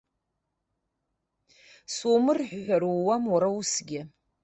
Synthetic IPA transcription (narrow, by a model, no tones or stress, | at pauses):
somɨrħʷᶣħʷaɾuwamwaɾausɡʲɪ